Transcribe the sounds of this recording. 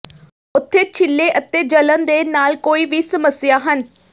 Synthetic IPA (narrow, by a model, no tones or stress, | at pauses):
ʊt̪ʰːeːt͡ʃʰɪlːeːʔət̪eːd͡ʒələnd̪eːnaːlkoːiːʋiːsəməsɪjaːɦən